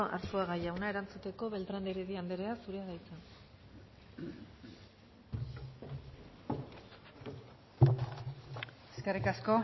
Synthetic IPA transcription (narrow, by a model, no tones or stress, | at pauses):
ʔa̰ɾsuaɣajawnae̞ɾant͡sut̪e̞ko̞βe̞lt̪ɾand̪eɾeðiand̪e̞ɾe̞asuɾe̞aɣajt͡san | eskerikasko̞